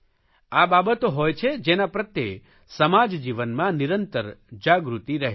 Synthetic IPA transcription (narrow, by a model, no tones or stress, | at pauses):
ababət̪oɦojt͡ʃʰed͡ʒenapɾət̪je | səmad͡ʒd͡ʒiʋənmãniɾənt̪əɾd͡ʒaɡɾut̪iɾəɦe